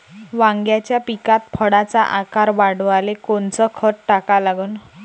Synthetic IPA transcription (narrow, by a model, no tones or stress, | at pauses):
ʋãŋɡjat͡ɕjapikat̪̚pʰəɽat͡saʔakaɾbaɽualekont͡sɔkʰəʈʈakalaɡun